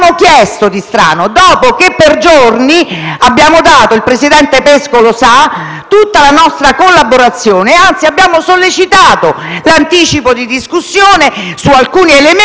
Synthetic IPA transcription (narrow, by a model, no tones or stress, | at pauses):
mokjɛst̪od̪ist̪ɾa̰ːnod̪ɔːpokepːerd͡ʒorniabːjaːmod̪aːt̪oilpɾesid̪ɛnt̪epeskolosa | t̪ut̪ːalanɔst̪ɾakolːaboɾat̪sːjoːneant̪siabjaːmosolːet͡ʃit̪aːt̪o | lant̪iːt͡ʃipod̪id̪iskusːjoːnesualkuːnielem